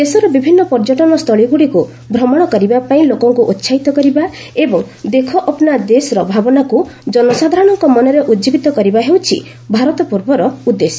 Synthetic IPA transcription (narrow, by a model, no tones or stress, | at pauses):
d̪esɔɾɔbibʱinːɔpɔɾd͡ʒɔʈɔnɔst̪ʰɔɭiɡuɽiku | bʱɾɔmɔɽ̃ɔkɔɾibapaĩlokɔŋkuʔotːʃʰait̪ɔkɔɾiba | ebɔŋ | d̪ekʰɔʔɔpɔnad̪esɔɾɔbʱabɔnakud͡ʒɔnɔsad̪ʱaɾɔɽ̃ɔŋkɔmɔnɔɾeʔud͡ʒibit̪ɔkɔɾibaɦewt͡ʃʰḭ | bʱaɾɔt̪ɔpuɾbɔɾɔud̪esɔ